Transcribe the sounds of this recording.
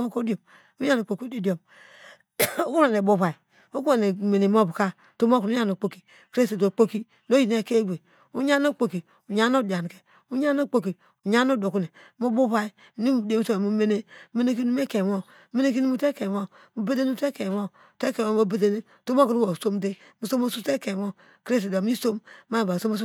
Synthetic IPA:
mo˦ko˦do˨m | u˦ja˦no˨k͡po˨ki˦di˦di˨o˨m | o˦ku˦ɾa˨ne˨bo˦βa˨i˨ | o˦ku˦a˨ne˨me˨ne˨m˦o˦bu˨ka˦ | to˦mo˦ku˨nu˦ɲa˦no˨k͡po˦ki˨ | kɾe˦se˨do˨k͡po˦ki˦ | no˦ji˨n˦e˦˨ke˦ɡʷe˨ | u˦ɲa˦no˦˨k͡po˨ki˨ | u˨ɲa˦no˦˨di˨a˨n˨ke˨ | u˦ɲa˦no˦˨k͡po˨ki˨ | u˨ɲa˦no˦do˨ku˦ne˨mu˦bu˦βa˦i˦˨nu˦˨de˨mu˨so˦˨mu˦me˦ne˦me˦ne˦k̬i˦nu˦me˦ke˨mo˦ | me˦ne˦ki˦nu˦mu˦te˦ke˨mo˦ | mu˨be˦de˦nu˦te˦ke˨mo˦˨ | te˦ke˨mo˦mo˦be˦de˦ne˦ | to˦mo˦ku˨nu˦wo˨so˦mde˦ | mu˨so˦mo˦su˦te˦ke˨mɔ˦ | kɾe˦ste˨do˨mi˦so˦mː˦a˦˨ba˨so˦mo˦su˦

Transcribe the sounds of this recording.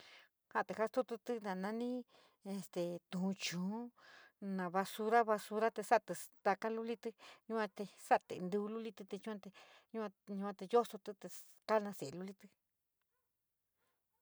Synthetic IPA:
ha˧˨t̪e˨ha˦st̪u˦t̪u˧t̪ɨ˧nã˨nã˧˦nĩ˦ | e˧st̪e˨t̪ũ˨˧t͡ʃũ˨˦nã˨βa˧su˧ɾa˦βa˧su˧ɾa˦t̪e˧sa˦ʔt̪e˨t̪a˧ka˦lu˦li˦t̪ɨ˧ɲũ˧kʷã˧t̪e˧sa˦ʔt̪e˨nd̪u˧lu˦li˦t̪ɨ˧t̪e˧t͡ʃũ˦ã˧t̪e˧ | ɲũ˦kʷã˧ɲũ˧kʷã˧t̪e˧jo˦so˧t̪ɨ˧t̪e˧ | ka˦nã˧se˨lu˧li˦˧t̪ɨ˧

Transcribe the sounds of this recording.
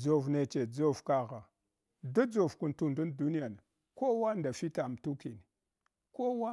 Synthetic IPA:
d͡zo˨vne˨t͡ʃe˨d͡zo˦vka˦ɣa˨ | da˦d͡zo˨vku˨ntu˨ndu˦ndu˦ni˦ja˨na˨ | ko˦wa˦nda˨fi˦ta˨m˨tu˦ki˨ni˨ | ko˦wa˦

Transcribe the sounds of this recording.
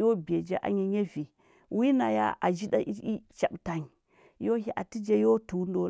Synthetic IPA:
jo˦be˨d͡ʒe˦ʔa̰˨ɲi˦ɲe˦vi˨ | wi˦na˨ja̰˦ʔa˨d͡ʒi˦ɗa̰˦ʔi˦i˦t͡ʃa˨ɓta˨ɲ˨ | jo˦ɦi˦ʔa˨ti˦d͡ʒe˦jo˦tu˨˦ndo˦

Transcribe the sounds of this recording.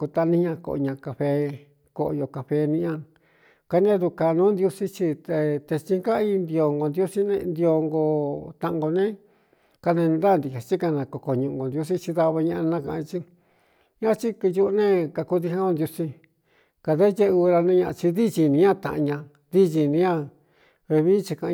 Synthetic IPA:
ku˧t̪a˧nĩ˦ɲã˧ko̰˧˨˧ɲã˧ka˨ɸe˧ | ko˧ʔo˧jo˧ka˧ɸe˧nĩ˧ʔã˦˧ | ka˧n˦ã˦ðu˧ka˧nũː˦nd̪ju˧si˦t͡ʃi˧t̪e˧t̪e˧t͡ʃi˧ŋka˦i˧nd̪i˧o˧ŋɡo˧nd̪ju˦si˦nẽ˧nd̪i˧o˧ŋɡo˧t̪ã˧ʔɡo˧nẽ˦ | ka˧nẽ˧nĩ˧nd̪a˦˧nd̪i˨ha˨t͡ʃi˦ka˧nã˧ko˧ko˧˨ɲũ˧ʔũ˧ɡo˨nd̪ju˧s̬i˦t͡ʃi˧ða˧βa˧ɲã˧ʔa˧nã˧kã˧t͡ʃi˦ | ɲã˦˧t͡ʃi˦ki˧ju˧ʔnẽ˦ka˧ku˧ði˧hã˦ɡo˧nd̪ju˧si˧ | ka˧˨ðe˦je˦˧u˧ɾa˧nẽ˧˦ɲã˧a̰˧t͡ʃi˧ði˦t͡ʃi˧nĩ˧ɲã˦t̪ã̰˧ʔɲã˧ | ði˦ʒi˧˨nĩ˧ɲã˦˧ | βe˧βi˦t͡ʃi˧kã˧ʔ

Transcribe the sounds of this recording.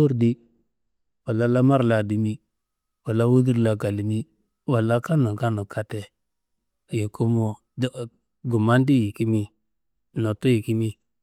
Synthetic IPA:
o˦ɾdi˦ | wa˨la˦la˦ma˦ɾla˨di˨mi˦ | wa˨la˦wu˦di˦ɾla˨ɡa˨li˨mi˦ | wa˨la˦ka˦no˨ka˦no˨kʰa˦te˨ | je˨kʰu˦mo˨ | d | ɡu˨ma˦ndi˦ji˨ki˦mi˦ | no˨tu˦ji˨ki˦mi˦

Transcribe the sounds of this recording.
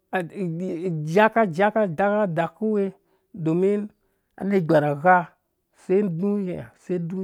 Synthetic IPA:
a˨d͡ʒa˦ka˦d͡ʒa˦ka˦da˦ka˦da˨ku˦we˦ | do˨mi˦n | a̰˨ne˦˨ɡ͡ba˨ɾa˨ɣa˦ | se˦n˦du˦je˨a˨se˦du˦˨

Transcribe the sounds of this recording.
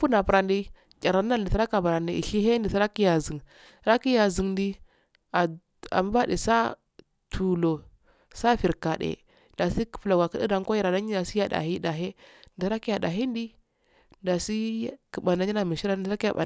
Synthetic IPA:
fu˦na˨pu˨ɾa˨ndi˦˨ | a˨ɾa˨˦a˦˨di˨ta˦ɾa˦ka˨ba˨ɾa˨ndi˨ḭ˨ɬi˦ɦe˦di˨si˦ɾa˦ki˦ja˨zi˨ŋ | ɾa˦ki˦ja˨zi˨ŋndi˦ | a˨ | a̰˨m˦ba˦dḛ˨sa˦ | tʰu˨lo˨ | sa˦fi˨ɾka˨dḛ˨ | nda˨si˦kfla˨ɡʷa˨ki˦di˦da˨ŋ˦ko˦ji˦˨ɾa˨na˦ɲi˦da˨si˦ja˦da̰˨ɦi˦da˨ɦe˦ndi˨sɾa˦ki˦ja˨da˨ɦi˦n˦di˦ | nda˨si˦kə˨ba˨nda˦ɲi˦na˨mi˨ʃi˦ɾa˦n˦˨˦a˦i˦ja̰˨ba̰˨

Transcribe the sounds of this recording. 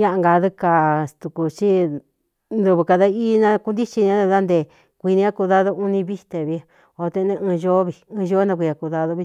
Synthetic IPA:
ɲã˦ʔa˧ŋɡa˧ðu˦ka˨t̪u˨ku˧t͡ʃi˦ | nd̪u˧βɨ˧ka˧ða˧iː˦nã˧ku˧nd̪i˦t͡ʃi˧nĩ˧ã˦e˧ða˦nd̪e˧˨ | kʷi˧nĩ˧˦a˦ku˧ða˧ðo˦u˦nĩ˧βi˦t̪e˧˨βi˧˦ | o˧t̪ẽ˧nẽ˧ɨ̃˧ʒo˦βi˧ɨ̃ː˧ʒo˦nã˧kʷi˧a˧ku˧ða˧ðo˧βi˧

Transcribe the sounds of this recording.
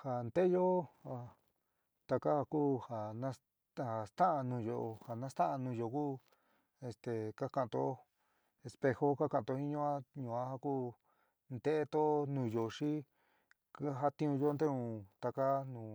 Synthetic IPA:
ha˨˧nd̪e˦jo˦a˧ | t̪a˧ka˦ha˧kuː˦ha˨nã˦ | ha˨st̪ã˦ʔa˧nũː˧jo˧˨ʔo˧ha˨nã˦st̪ã˦a˧nũː˧jo˧˨kuː˦ | e˧st̪e˧˨ka˦ka˧˨˧t̪o˧˦ | e˧spe˧xo˦ka˦kã˧˨˧t̪o˧hĩ˦ɲũ˦˧˦ã˦ɲũ˧˨ã˦ha˧kuː˦ | nd̪e˦ʔe˦t̪o˦nũ˨˧jo˨ʂi˦ | ka˦ɦa˧t̪ĩ˦ũ˧jo˦˧nd̪e˦ũ˧t̪a˧ka˦nũː˨

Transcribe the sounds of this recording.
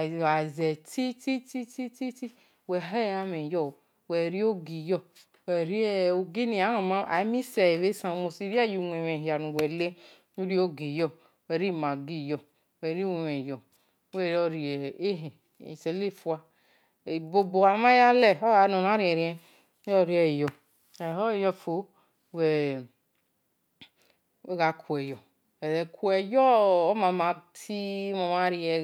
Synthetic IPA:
a˨zɛ˨ti˦ti˦ti˦ti˦ti˦ti˦ | wɛ˨ɦɛ˦˨ja˦me˨jɔ˦˨ | wɛ˨ɾi˦o˦ɡi˨jɔ˦˨ | wɛ˨ɾi˦o˨ɡi˦ni˨a˨˦o˨ma˦a˨˦mi˦sɛ˨βe˦sã˨mo˨si˦ɾi˦a˦˨ju˨nʷ˨ɛ˨mɛ˨i˨a˨nu˨wɛ˨le˦ | u˦ɾi˦o˦ɡi˨jɔ˨ | wɛ˨ɾi˦˨ma˨ɡi˦˨jɔ˨ | wɛ˨ɾi˦we˨wɛ˨jɔ˨˦ | we˦˨o˦ɾi˨ɛ˨e˦ɦe˨ | se˨le˦fu˦a˦˨ | bo˨bo˨a˨˦ma˦ja˦lɛ˦˨o˦ɣa˨˦no˨n˨a˦ɾi˦ɛ˨ɾi˦ɛ˦ | ɔ˦ɾi˦ɛ˨jɔ˨ | ɛ˨ho˦˨jɔ˦fo˨˦ | wɛ˨ | e˦ɣa˨ku˨ɛ˨jɔ˨ | ɛ˨ɾɛ˨ku˦ɛ˨jɔ˦o˦ma˨ma˨tʰi˦mo˨ma˦ɾi˦ɛ˨

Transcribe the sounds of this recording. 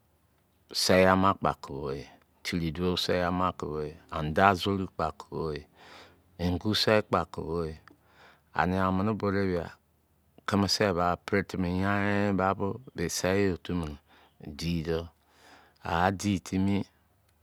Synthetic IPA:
sa˦ja˦ma˦k͡pa̰˨ku˨bo˦je˨ | tʰi˨ɾi˨du˦o˦sa˦ja˦ma˦ku˨βo˦e˨a˨n˨da˦zo˦ɾi˦k͡pa˨ko̥˨bo˦je˨ | e˨ŋ̩˨ɡu˦sa˦i˦k͡pa˨ko̰˨βo˦je˨ | a̰˨ni˨a˨mi˨ni˦bo˨ɾe˦bi˨a̰˨ | ke˦ma˨se˦˨βa˨pɾe˦ti˨mi˨ja˦ɾe˦ba˦bo˦be˨sa˦o˨tu˦mi˨n˨ | di˦˨do˦ | a̰˨a˨˦di˦˨tʰi˦mi˦

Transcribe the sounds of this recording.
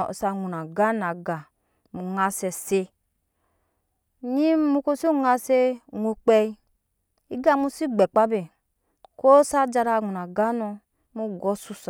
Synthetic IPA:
sa˨ŋu˨na˨ɡa˦na˨ɡa˨ | mu˨ŋa˨se˨se˧ | ɲi˦mu˧ko˦si˦ŋa˧se˦˨ŋʷo˧k͡pɛ˦i˦ | i˦ɡa˦˨˦mu˦si˦ɡ͡bɛ˨k͡pa˦be˨ | ko˦sa˦d͡ʒa˧ɾa˧˨ŋʷu˨na˨ɡa˦nu˧ | mu˦ɡɔ˦su˧s

